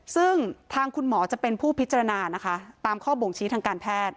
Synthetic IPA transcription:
sɯ˥˩ŋt̪ʰaː˧ŋkʰu˧nmɔː˩˦t͡ɕa˨˩pe˧npʰuː˥˩pʰi˦˥t̪t͡ɕa˧ɾa˧naː˧na˦˥kʰa˦˥t̪aː˧mkʰɔː˥˩bo˨˩ŋt͡ɕʰiː˦˥t̪ʰaː˧ŋkaː˧npʰɛː˥˩t̪̚

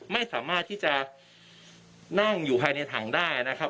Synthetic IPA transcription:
ma˥˩jsaː˩˦maː˥˩t̪ʰːiː˥˩t͡ɕa˨˩ | na˥˩ŋjuː˨˩pʰaː˧jna˧jt̪ʰaː˩˦ŋdaː˥˩ja˩na˦˥kʰa˦˥

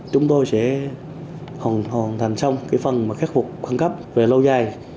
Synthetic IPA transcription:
t͡ɕʊ˨˦ŋ͡mt̪o˧jsɛ̰˧˥ | hɔ˨˩nhɔ˨˩nt̪ʰa˨˩jŋ̟sa˧wŋ͡mkaː˨˦jfə˨˩nmaː˨˩xa˦˥k̚fʊ˨˩k͡p̚xaː˧ŋkə˦˥p̚ve˨˩lə˧wzaː˨˩j

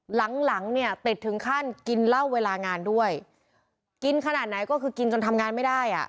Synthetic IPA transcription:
la˩˦ŋla˩˦ŋni˥˩ɐt̪i˨˩t̪ʰːɯ˩˦ŋkʰa˥˩nki˧nla˥˩wːeː˧laː˧ŋaː˧ndu˥˩əj | ki˧nkʰa˧naː˨˩t̪̚na˩˦jkɔː˥˩kʰɯː˧ki˧nt͡ɕo˧nt̪ʰa˧mŋaː˧nma˥˩jda˥˩jʔa̰˨˩ʔ

